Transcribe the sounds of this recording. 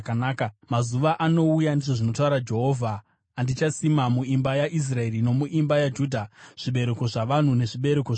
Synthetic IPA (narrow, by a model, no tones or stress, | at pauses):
knaːkamazuʋaʔano̞ujandiʐoʐino̞tauɾad͡ʒe̞ɦoːvʱaː | ndit͡ʃasimamuimbajaʔis̬raeɾino̞muʔimbajad͡ʒuːdʱaʐ̥iɓe̞ɾeko̞ʐaʋan̤une̞ʐiɓe̞ɾeko